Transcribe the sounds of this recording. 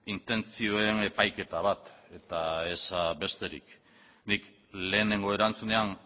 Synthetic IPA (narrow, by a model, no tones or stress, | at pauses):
int̪e̞nt͡sio̞e̞ne̞pajke̞t̪aβ̞at̪e̞t̪ae̞saβe̞st̪e̞ɾḭk | nik | le̞ːne̞ŋɡo̞e̞ɾant͡sune̞an